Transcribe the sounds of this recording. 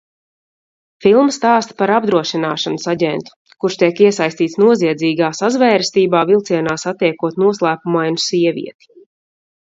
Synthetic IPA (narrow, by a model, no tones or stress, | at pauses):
filˠmst̪aːst̪paɾab̚d̪ɾuɔʃinaːʃansaɟɛnt̪u̥ | kuɾʃt̪ʲiɛkiɛsajst̪iːt̪snuɔziɛd̪ziːɡaːsazvɛːɾst̪iːbaːvilˠt̪siɛnaːsat̪ːɛjkuɔt̪nuɔslˠæːpumajnusiɛvʲḭɛt̪i̥